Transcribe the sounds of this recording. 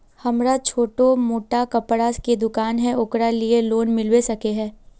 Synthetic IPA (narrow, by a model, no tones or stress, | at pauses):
hɐmɾat͡ʃʰoːʈomoːʈakɐpɽaːsked̪ʊkaːnɦɛ̃ʊkɾalieloːnmɪlwesɐkeɦɛ̃ː